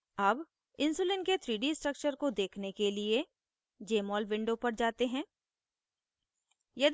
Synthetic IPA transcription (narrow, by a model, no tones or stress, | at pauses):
ɐb | ɪ̃nsuːlɪnket̪ʰɾiːɖisʈɾək̚t͡ʃəɾkod̪eːkʰnekelie | d͡ʒeːmɔːlʋɪ̃ɳɖopɐɾd͡ʒaːt̪eɦɛ̃ː | jɐd̪